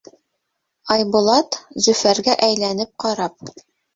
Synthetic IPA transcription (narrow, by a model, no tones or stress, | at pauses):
ɑjbŭlˠɑt̪zɵ̆fæɾɡæʔæjlænɘp̚qɑɾɑp̚